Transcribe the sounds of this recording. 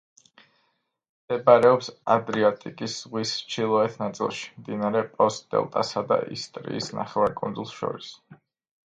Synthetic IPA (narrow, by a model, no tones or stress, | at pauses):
md̪̥ɛbaɾɛɔpsad̪ɾiɔt̪ʼikʼisz̥ʁwist͡ʃʰilˠɔɛt̪ʰnat̪sʼḭlˠʃi̥mmd̪inaɾɛpʼɔst̪d̪ɛ̰lˠt̪ʼasad̪a̰ʔḭst̪ʼɾḭisna̰χɛvaɾkʼunzulˠsʃɔ̰ɾis